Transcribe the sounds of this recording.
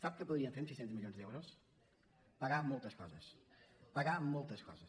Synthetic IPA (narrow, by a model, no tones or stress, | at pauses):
sap̚kəpuðɾiəɱfeɾmsisent̪əzmilionzd̪ɛwɾos | pəɣamolˠt̪əskɔzəspəɣamolˠt̪əskɔ̰zə